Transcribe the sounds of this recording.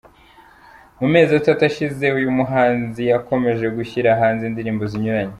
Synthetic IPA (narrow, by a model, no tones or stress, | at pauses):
mume̞ːzatatuaʃize̞ujumuɦaːnzijako̞me̞ʒe̞ɡuçiɾaɦaːnzindiɾiːmbo̞ziɲuɾaɲe